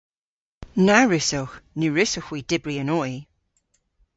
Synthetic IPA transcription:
naɹɪsɔwxnʉːɹɪsəxwiːd̥ɪbɹiənɔj

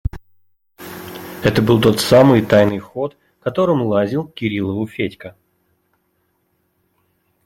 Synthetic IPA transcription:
ɛt̪əbɨlˠt̪o̞t̪samɨjt̪ajnɨjxo̞t̪ | kɐt̪o̞ɾɨmlˠazʲilˠkʲɪɾʲilˠəvʊfʲetʲkə

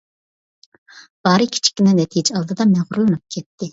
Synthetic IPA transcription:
b̥ɑːɾɨkʲʰi̥t͡ʃʰi̥kʲːinɛnɛt̪ʰijd͡ʒɛɑlˠd̪ɨd̪ɑmɛʁʊɾulˠɨnɨp̚kʲʰɛt̪ʰːɪ

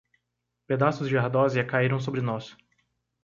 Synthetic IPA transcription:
ped̪asʊzd͡ʒɪahd̪ɔziɐkaiɾɐ̃w̃s̬obɾɪnɔs

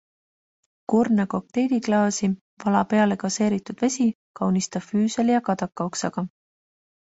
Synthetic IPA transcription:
kurnɑko̞k̚t̪e̞jd̪̥iklɑːsi | vɑlɑpe̞ɑle̞kɑse̞ːɾit̪ːud̪̥ve̞sʲi | kɑwnist̪ɑ̥fyːseljɑkɑd̪ɑkːˑɑo̞ksɑɡ̥ɑ

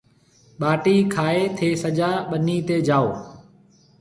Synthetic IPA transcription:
ɓaːʈiːkʰaːeːt̪ʰeːsəd͡ʒaːɓəniːt̪eːd͡ʒaːo̰ː

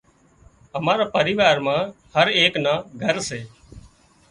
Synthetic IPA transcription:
əmaːɾaːpəɾiːʋaːɾmãː | həɾeːknãːɡʱəɾseː

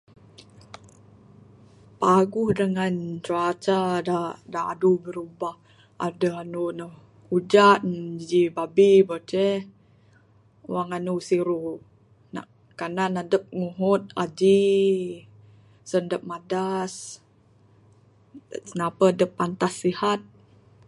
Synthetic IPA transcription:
paɡuhdəŋant͡ʃuat͡ʃadadaa̰dubəɾubah | a̰dəanunəh | ud͡ʒat̪̚nd͡ʒd͡ʒibabibət͡ʃɛ | waŋanusiɾu | na̰ʔ | kananadəp̚ŋuɦʊt̪̚a̰d͡ʒi | səndəp̚madas | napəadəp̚ːant̪asːihat̪̚

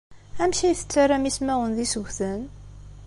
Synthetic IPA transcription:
æmʃijθə̥t͡sːaɾːamismæwənðisəʝʷθən

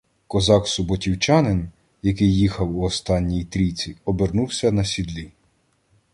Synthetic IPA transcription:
kɔzɑksʊbɔtʲiwt͡ʃɑnɪn | jɐkɪjːixɐwuɔst̪ɑnʲːijt̪ɾʲit͡sʲiɔbernuwsʲɐnɐsʲid̪lʲi

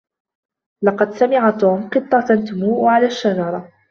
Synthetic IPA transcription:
lɑqɑd̪samɪʕat̪uːmqɨt̪ˤːɑt̪ant̪ʊmuːʔʕalaːʃːad͡ʒɑɾˤɑ

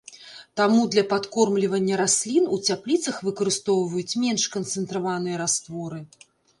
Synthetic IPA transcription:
t̪amud̪lʲɐpat̪kɔrmlʲivɐnʲːɐɾasʲlʲinut͡sʲaplʲit̪sɐxvɨkɐɾɨst̪ɔwvɐjut͡sʲmʲɛnʂkɐnt̪sɨnt̪ɾavanɨjɐɾast̪vɔɾɨ

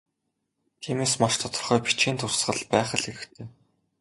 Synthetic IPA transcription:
t̪ʰiːmeːsmaʃt̪ʰɔt̪ɞ̥̆rχœːpi̥t͡ɕeːnt̪ʰʊsɢə̆ɮpæːχə̆ɮeɾɘ̆xt̪ʰeː

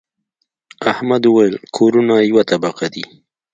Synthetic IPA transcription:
ahmad̪uwajlkʰoɾunajwat̪abaqad̪i

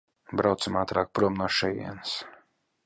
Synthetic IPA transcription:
bɾawt̪sɨmaːt̪ɾaːk̚pɾuɔmnuːʃɛjḭɛns

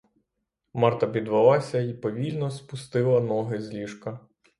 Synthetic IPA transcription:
mɑrt̪ɐbʲid̪ʋɐlˠɑsʲɐipɔʋʲilʲnɔspʊst̪ɪlˠɐnɔɦɪzʲlʲiʃkɐ

